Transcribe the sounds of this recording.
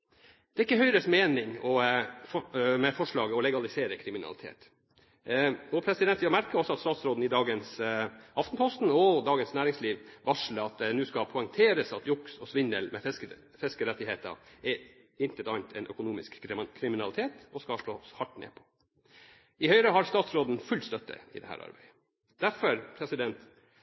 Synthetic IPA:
d̪̥ɛɪkːəɦœʏɾəsmeːnɪŋɔfɔmɛfɔʂɭɑːɡəɔlɛɡɑlɪseːɾəkʰɾɪmɪnɑ̰lɪt̪ʰḛːt̪ | ɔpʰɾɛsɪd̪ɛnt̪ʋjɑmæɾkəɔsːɔɑt̪st̪ɑːt̪sɾoːd̪n̩ɪd̪ɑːɡənsʔɑft̪npʰɔst̪n̩ɔd̪ɑːɡənsnæːɾɪŋsliːʋʋɑʂləɑt̪nʉːskɑpʰɔɛŋt̪ʰeːɾəsɑt̪jʊksɔsʋɪnə̰lmɛ | fɛskəɾɛt̪ːɪheːt̪ɑ̰ɛɪnt̪ət̪ɑnt̪ʰɛnʔœ̰kʊnuːmɪskkʰɾɪmɪnɑlɪt̪ʰeːt̪ɔskɑʂɭoːshɑʈːnḛːpʰɔ̥ | ɪhœʏɾəɦɑɾst̪ɑːt̪sɾoːd̪n̩fʉlːst̪œt̪ʰːə̰ɪ̰d̪ɛhæ̰ːɾɑ̰ɾbæɪə | d̪̥æɾfɔɾpʰɾɛsɪd̪ɛnt̪

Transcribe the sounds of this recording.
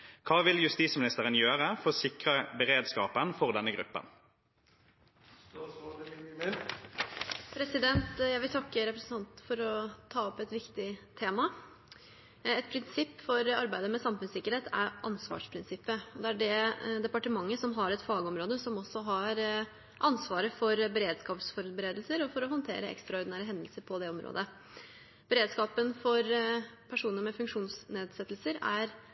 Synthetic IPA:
kʰɑːʋɪljʉst̪iːsmɪnɪst̪əʁənjøːʁəfɔʁsɪkʁəbəʁeːd̪skɑːpənfɔʁd̪ɛnːəɡʁʉ̰pːə̰n | pʰɾɛsɪd̪ɛnt̪jæɪʋɪlt̪ʰɑkːəɾɛpɾəsn̩ʰɑnt̪fɔɾɔt̪ʰɑːɔpːɛt̪ʋɪkt̪ɪt̪ʰeːmɑ | ɛt̪̚pʰɾɪnsɪpːfɔɾɑɾbæɪd̪əmɛsɑmfʉnsɪkːəɾheːt̪ʰæ̰ɾʔɑnsʋɑ̰ːʂpʰɾɪnsɪpːəɔd̪ɛæɖɛd̪ɛpɑʈəmɑŋːəsɔmɦɑɾɛt̪fɑːɡəɔmɾoːd̪əsɔmɔsːɔɦɑɾ | ʔɑnsʋɑːɾəfɔɾbəɾeːd̪skɑːpsfɔɾbəɾeːd̪əlsəɾɔfɔɾɔɦɔnt̪ʰḛːɾəɛ̰kst̪ɾɑɔɾd̪ɪnæːɾəɦɛnd̪əlsəɾpʰɔd̪ɛɔmɾo̰ːd̪ə | b̥əɾeːd̪skɑːpənfɔɾpʰæʂuːnəɾmɛfʉŋkʂuːnsneːd̪sɛt̪ːlsəɾæɾ

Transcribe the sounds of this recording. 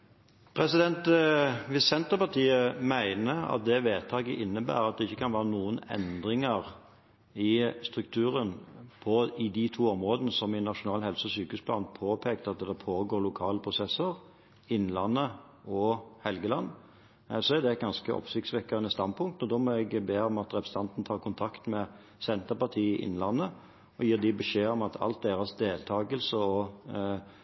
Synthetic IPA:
pʰɾɛsɪd̪ɛnt̪ʋɪsɛnt̪əpɑt̪iːəmæɪnəɾɑ̰t̪̚d̪ɛʋeːt̪ʰɑːɡəʔɪnːəbæ̰ːɾɑt̪̚d̪ɛɪçːəkʰɑnʋæːɾənuːənɛ̰nd̪ɾɪŋəɾ | ɪst̪ɾʉk̚t̪ʰʉːɾənpʰɔɪd̪ɪt̪ʰuːɔmɾoːd̪ənəsɔmɪnɑʂʊnɑːlhɛlsəɔsyːkʉːspʰlɑːnpʰoːpʰeːk̚t̪ɑt̪̚d̪ɛpʰoːɡoːɾlʊkʰɑːləpʰɾʊsɛsːəɾ | ɪnːlɑnːə | ɔhɛlɡəlɑnː | sɔæd̪ɛt̪̚ɡɑnskəʔɔ̰psɪk̚t̪sʋɛkːəʁənəst̪ɑnd̪̚pʰʊŋk̚t̪ɔd̪ɔmɔɛɡbeːɔmɑt̪ɾɛpɾəsəɑnt̪n̩t̪ʰɑːɾkʊnt̪ʰɑkt̪mɛ | sɛnt̪əɾpɑt̪ʰiːɪʔɪ̰nlɑnːə | ɔjiːɾd̪ɪbɛʂeːɔmɑt̪ʰɑ̰lt̪̚d̪eːɾɑsd̪eːlt̪ʰɑːɡəlsəɔ

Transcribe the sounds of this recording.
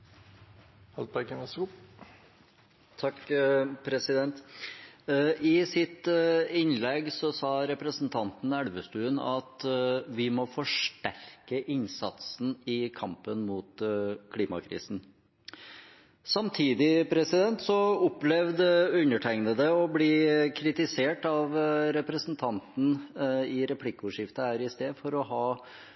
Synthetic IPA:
hɑlbækəɛsu | t̪ʰɑkpʰɾɛsɪd̪ɛnt̪ | ʔɪsɪt̪ɪnlɛɡsɔsɑːɾɛpɾəsn̩t̪ʰɑnt̪n̩æɽʋəst̪ʉːənɑt̪ʋɪmɔfɔʂʈæɾkəʔɪnsɑt̪sn̩ɪkʰɑmpənmuːt̪kʰliːmɑ̰kʰɾḭːsn̩ | sɑmt̪ʰiːd̪ɪpʰɾɛsɪd̪ɛnt̪sɔʊplɛʋd̪əʉnəʈʰæɪŋnəd̪ɛɔbliːkʰɾɪt̪ɪseːʈɑʋɾɛpɾəsnt̪ʰɑnt̪n̩ɪɾɛpʰlɪkʊʂɪft̪əhæːɾɪst̪eːd̪fɔɾɔɦɑː

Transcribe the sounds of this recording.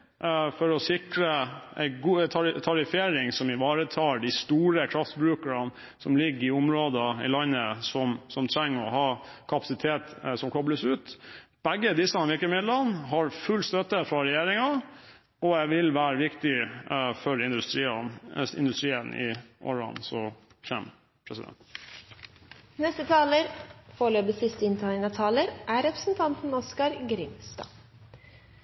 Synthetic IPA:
fɔɾɔsɪkɾəæ̰ɪɡuːt̪ʰt̪ʰɑɾɪfeːɾɪŋsɔmɪʋɑːɾət̪ʰɑːɖɪst̪uːɾəkʰɾɑft̪bɾʉːkəɾɑn | sɔ̰mlɪɡːɪʊmɾoːd̪əɪ̰lɑnːəsɔmsɔmt̪ʰɾæŋːəɔ̰ɦɑːkʰɑpɑsɪt̪ʰeːt̪sɔmkʰɔbləsʉːt̪ | b̥æɡːəd̪ɪsɑnʋɪɾkəmɪd̪lɑnːɦɑɾfʉlst̪œt̪ːəfɾɑɾɛjeːɾɪŋɑ | ɔæʋɪlʋæːɾəʋɪkt̪ɪfɔɾɪnd̪ʉst̪ɾiːɪ̰nd̪ʉst̪ɾiːənʔɪ̰ʔɔ̰ɾɑ̰nsɔ | çɛ̰m | pʰɾɛsɪd̪ɛ̰nt̪ | nɛst̪ət̪ʰɑːləɾfoːɭøːpəsɪst̪əɪnt̪ʰɑɪnət̪ʰɑːləɾʔæɾɛpɾəsn̩t̪ʰɑnt̪n̩ɔskɑɾɡɾɪmst̪ɑ̰

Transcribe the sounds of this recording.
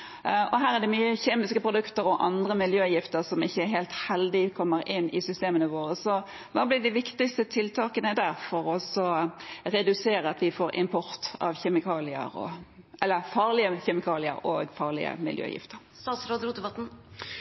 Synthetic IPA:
ʔɔɦæːʁæd̪ɛmyːəçeːmɪskəpʰʁʊd̪ʉkt̪əɾɔʔɑnd̪ʁəmɪljøːjɪft̪əɾsɔmɪçːəæɾɦɛːlt̪hɛld̪ɪkʰɔmːəɾɪnːɪ̰sʏst̪eːmənəʋoːɾəsɔ | ʋɑːblɪd̪ɪʋɪkt̪ɪkst̪ət̪ʰɪlt̪ʰɑːkənəd̪æɾfɔɾɔsɔɾɛd̪ʉseːɾəɑt̪ʋɪfoːɾʔɪ̰mpʰɔɾt̪ɑ̰ʋçɛmɪkʰɑːlɪə̰ɾɔ̰ʔɛlːəfɑːʁlɪəçɛmɪkʰɑːlɪə̰ɾoːɡfɑːʁlɪ̰ə̰mɪ̰ljø̰ːjɪ̰ft̪əɾst̪ɑːt̪sɾoːd̪ɾuːd̪əbɑt̪n̩

